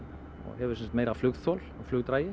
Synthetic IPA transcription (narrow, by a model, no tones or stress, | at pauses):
ɔ̰ɣɦɛvʏɾsɛnsḁt̪mejɾaflʏɣθɔːlɔɣflʏɣt̪ɾaːjɪ